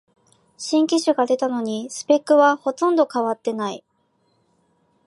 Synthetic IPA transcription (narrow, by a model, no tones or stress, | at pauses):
ɕĩŋkʲiɕɨɡad̪e̞t̪ano̞ɲ̟isɨ̥pe̞kːɯ̟βaho̞t̪õ̞nd̪o̞kaβat̪ːe̞nai